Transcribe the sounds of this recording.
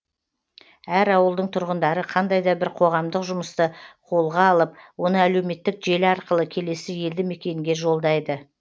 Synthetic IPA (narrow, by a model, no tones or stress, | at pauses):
æɾɑwəlˠd̪əɴt̪ʰʊɾʁənd̪ɑɾəqʰɑnd̪ɑjd̪ɑbɪɾqʰo̞ʁɑmd̪əqʒʊməst̪əqʰo̞lˠʁɑːlˠəp̚wo̞nəæle̞wme̞t̪ːɪkʒe̞lɪɑɾqəlˠəkʲʰe̞le̞sɪje̞ld̪ɪme̞kʲe̞ŋɡʲe̞ʒo̞lˠd̪ɑjd̪ə